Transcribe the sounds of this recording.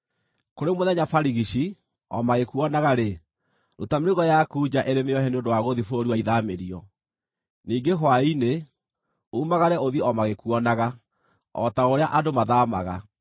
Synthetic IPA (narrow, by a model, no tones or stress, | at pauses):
koɾemoðɛɲafaɾiɣiʃi | ɔ̰maɣekuɔnaɣaɾe | ɾotamɾiɣɔjakuːd͡ʒaʔeɾemeɔhɛneondowaɣoðifoɾiwaiðameɾiɔ | niːŋɡeɦwaine | uːmaɣaɾɛoðieɔmaɣekuɔnaɣa | ɔ̰taoɾeaʔadomaðaːmaɣa